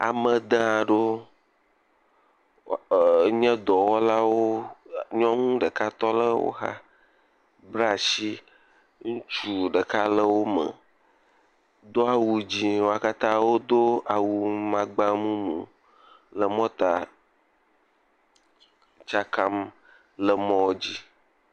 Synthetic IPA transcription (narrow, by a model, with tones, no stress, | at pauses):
a̰˨mə̃˨d̪ã˦˨ɖo˦˨ | ɲɛ̃˦d̪ɔ˨wɔ˦la˦wo˦ɲɔ̃˦ŋũ˦ɖə˨ka˦t̪ɔ˦lə˦wo̰˦ɦa̰˦ | bɾa˨si˦ | ŋũ˦t͡ʃu˦ɖə˨ka˦lə˦wo˦mə̰̃˨ | d̪o˦a˨wu˨d͡ʑi˦wo˦a˦ka˦t̪ã˦wo˦d̪o˦a˨wu˨mã˦ɡ͡ba˦mũ˦mṵ̃˨ | lə˨mɔ̃˦t̪a˨ | t͡ʃa˦ka˦m | lə˨mɔ̃˦d͡ʑi˦